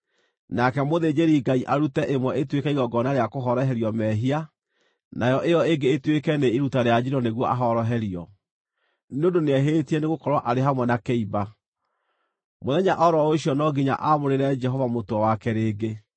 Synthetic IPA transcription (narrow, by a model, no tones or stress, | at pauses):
nakɛmoðed͡ʑeɾiɡaiʔaɾutɛʔemwɛetwekɛiɣɔɡɔnaɾeakoɦɔɾɔɦɛɾiɔmɛɦia | najɔʔejɔeɡeːtwekɛneiɾutaɾead͡ʒiɾɔneɣwɔʔaɦɔɾɔɦɛɾiɔ | neondoneɛɦetiɛneɣokɔɾwaʔaɾeɦamwɛnakeiba | moðɛɲaʔɔɾɔoɕiɔnɔɡiɲa̰ʔamoɾeɾɛd͡ʒɛɦɔvamotoɔwakɛɾeːɡe